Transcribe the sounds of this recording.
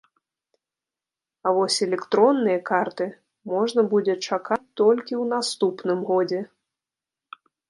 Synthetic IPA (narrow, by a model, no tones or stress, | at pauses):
avɔsʲɛlʲɛkt̪ɾɔnːɨjɐkart̪ɨ | mɔʐnɐbud͡zʲɛt͡ʂakat͡sʲt̪ɔlʲkʲiwnast̪upnɨmɣɔd͡zʲɛ